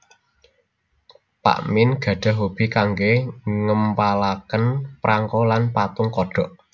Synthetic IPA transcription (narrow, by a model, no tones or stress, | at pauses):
pa̰ʔmɪnɡ̥ä̤ɖ̥a̤ɦob̥i̤kaŋɡeŋəmpalakənpɾʔaŋkɔlanpat̪ʊŋkɔɖ̥ɔ̤ʔ